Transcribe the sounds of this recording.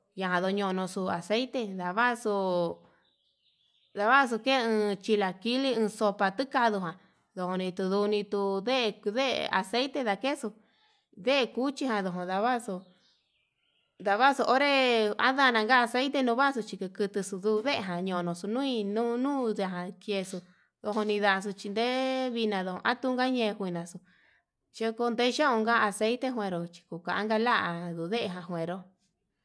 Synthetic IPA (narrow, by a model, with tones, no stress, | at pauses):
ja˧ɦã˧ðo˧ɲõ˧nõ˧su˧a˨se˦t̪e˧ða˨βa˦su˧ | ða˧βa˦˧s̬u˧ke˦˧ɨ̃˧t͡ʃi˧la˧ki˦li˦ɨ̃ː˧so˧pa˧t̪ɨ˦ka˧ðu˧ɦã˨ | ðo˧hõ˧nĩ˧t̪u˧ðu˧nĩ˧t̪u˧ðe˦˧ðḛ˦a̰˧se˦jt̪e˧ða˧ke˦su˧ | ðe˦e˧ku˦t͡ʃi˧ɦã˧ðo˧ɦõ˧ða˧βa˦˧su˧ | d̪a˧βa˦su˧ʔo˦ɾe˦a̰˦ða˦˧nã˧ŋɡa˦a˧se˦i˦t̪e˦nũː˧βa˦s̬u˧t͡ʃi˧kɨ˧kɨ˧t̪ɨ˧su˧ðu˧ðe˦ʔe˧ɦã˨ɲõ˨˧nõ˨su˧nũ˦ĩ˧nũ˦nũː˦ða˧ɦã˧kje˧su˧ | ðo˧ɦo˧nĩ˧ða˧˨˧s̬u˧t͡ʃi˧nd̪e˦βi˧nã˧ðo˧˨õ̰˧ʔa˦t̪u˧ŋɡa˦ɲẽː˧hʷi˧nã˨su˧ | ʃo˧˦ko˧nd̪e˦˧ʃõ˦õ˧ŋɡa˦a˧se˦i˦t̪e˦ɦwẽ˧ɾo˧t͡ʃi̥˧ku˨ka˨a˦ŋɡa˧la˦ʔa˧ðu˧˨ðe˦ʔe˧ɦã˧ɦwẽ˨ɾo˧